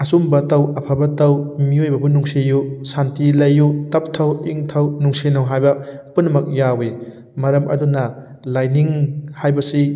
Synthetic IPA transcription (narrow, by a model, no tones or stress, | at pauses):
ɐsumbɐtɐwɐpʰabɐtɐwmiojbɐbunuŋsejusantilɐjːutɐp̚tʰɐwiŋtʰɐwnuŋsenɐwɦajbɐpunːɐmɐk̚jawe | mɐɾɐmʔɐ̰dunɐ | lajniŋhajbɐsi